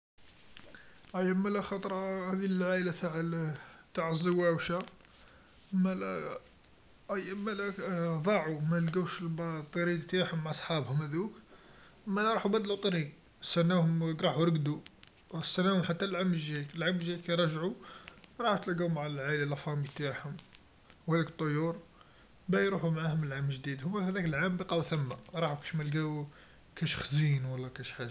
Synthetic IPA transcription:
ʔæjːæmælæxɑt̪ˤɾˤɑhæd̪ilʕalat̪aʕ | t̪aʕəzˤːəwːæwʃæ | mæl | ʔæjæmælæðˤɑʕumælɡæwʃlbt̪ˤːɑɾiɡt̪iħʊmaʕɑsˤħɑbhʊmhæd̪uk | mælæɾˤɑħubæd̪lut̪ˤɾiɡ | st̪ænːæhʊmɡɾˤɑħuɾˤəɡd̪u | st̪ænːæhʊmħat̪ːælʕamːəlʒilʕamːəlʒikæjɾˤɑʒʕuɾˤɑħut̪əlɡæmaʕallʕalalæfɑmit̪aħhʊm | wælækt̪ˤːojːuɾˤ | bæjɾuħumʕahʊməlʕamːəlʒd̪id̪hʊmːæhæd̪ækəlʕambiqɑwθæmːaɾˤɑħukæ̥ʃmælɡæw | kæʃxzinwɑlːɑkæʃħa

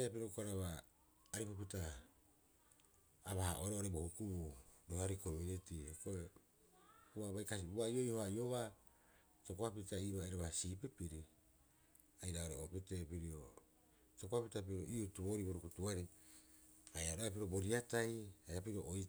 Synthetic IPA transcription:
japiɾokoaɾaβaː | ɾipopita | βaha̰ʔoɾoaɾebohukubudohaɾikominitihekoe | kuβaβajkas̬ibuaio̞ihoajo̞βa | to̞koapitaiβaːjɾaβasiːpipiɾi | ajɾaoɾeopite̞piɾio | tokoapitap̬iɾo̰ʔiutuβoɾiboɾukutuaɾi | ajaɾoap̬iɾobo̞ɾiatajajapiɾioʔoj

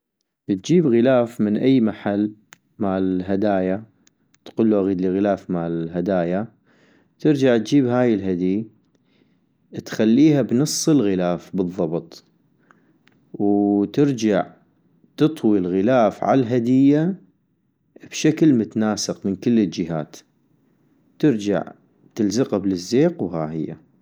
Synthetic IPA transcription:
t̪̚d͡ʒiːbɣɪlaːfmɪnʔajːmaħalː | maːlɪɦad̪aːja | t̪qʊlːuʔaɣiːd̪liɣɪlaːfmaːlɦad̪aːja | t̪ɪɾd͡ʒaʕt̪̚d͡ʒiːbɦaːjɪlɦad̪i | t̪xalːiːhabnɨsˤːɨlɣɪlaːfbɨðˤːɑbt̪ˤ | wt̪ɪɾd͡ʒaʕ | t̪ɨt̪ˤwilɣɪlaːfʕa̰lɦad̪ɪjːa | b̥ʃaklmʊt̪anaːsɪqmɪnkɪlːəld͡ʒɪɦaːt̪ | t̪ɪɾd͡ʒa̰ʕ | t̪ɪlzɪqablɪzːeːqwɦaːhɪjːa̰

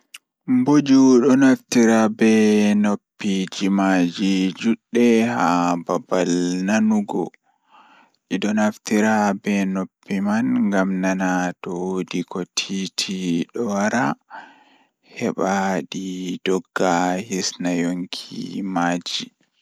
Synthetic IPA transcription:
mbod͡ʒuɗɔnaftiɾabɛnopːid͡ʒimad͡ʒid͡ʒuɗːɛhababalnanuɡɔ̰ | ʔiɗɔnaftiɾabɛnopːimanŋɡamnanatɔwodikʰɔtʰitʰiɗɔwaɾa | hɛɓaɗid̥ɔɡːahisnajoŋkʰḭmad͡ʒi

